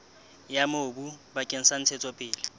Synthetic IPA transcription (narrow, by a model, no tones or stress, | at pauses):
jamoːbubakʼen̩san̩t͡sʰɛt͡sʼɔpʼɪːlɪ